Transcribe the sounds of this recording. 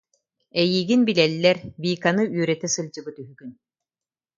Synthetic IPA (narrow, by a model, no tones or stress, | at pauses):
ɛjiːɡinbilɛlːɛɾbiːkanɯyːɾɛt̪ɛsɯld͡ʑɯbɯt̪yɦyɡyn